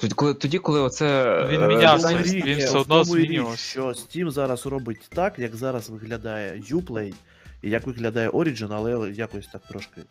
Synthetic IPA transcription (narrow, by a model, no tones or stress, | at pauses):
t̪ʲklˠɪt̪ɔdʲikɔlˠɪɔt̪sɛʋʲiiaɾʲiʋʲid̪nmujɾʲʃt͡ʃɔsʲtʲimzɑɾɐsrɔbɪtʲt̪ɑkjɐkzɑɾɐsʋɪɣlʲɐd̪ɑjɛjuplˠɛj | ijɐkʋɪɣlʲɐd̪ɑjɛʔɔɾʲid͡ʒɪnɐlˠɛjakɔsʲt̪ak̚t̪ɾɔʃkɪ